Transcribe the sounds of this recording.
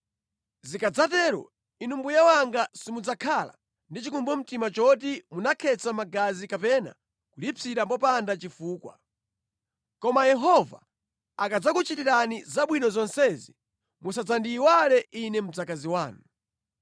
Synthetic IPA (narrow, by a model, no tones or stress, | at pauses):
zikad͡zatɛɾɔ̰ | inumbujawaŋɡasimud͡zakʰala̰ | ndit͡ʃikumbɔm̩timat͡ʃɔt̬imunakʰɛt͡samaɡazikapɛna̰ | kulipiɾambɔpandat͡ʃifuːkwa̰ | kɔmajɛɦɔva | akad͡zakut͡ʃitiɾanizaɓwinɔzɔnsɛzi | musad͡zandiːwalɛʔinɛm̩d͡zakaziwaːnu